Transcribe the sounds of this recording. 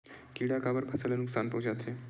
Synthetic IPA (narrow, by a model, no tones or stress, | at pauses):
kiːɽakabəɾpʰɐsəlenʊksaːnpɐʊd͡ʒaːt̪ʰeː